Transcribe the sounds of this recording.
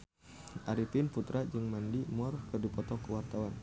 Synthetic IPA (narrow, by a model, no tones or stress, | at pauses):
ʔaɾifinfut̪ɾʔad͡ʒɨŋmandimɔrkɨrdipɔt̪ɔkəwart̪awan